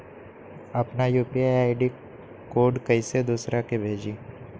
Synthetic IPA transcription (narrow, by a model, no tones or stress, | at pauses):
ɐpnajuːpieaːɪɖi | koːɖkɐised̪usɾʔakebʱeːd͡ʒiː